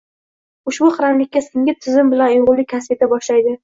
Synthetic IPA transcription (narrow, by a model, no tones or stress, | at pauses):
ʊʃbʊqʰɾamlɪkʲːasɪŋɡʲɪt̪ʰɪzɪmbɪlanjoʁlˠːɪkʲʰaspet̪ʰabɒʃlajd̪ɪ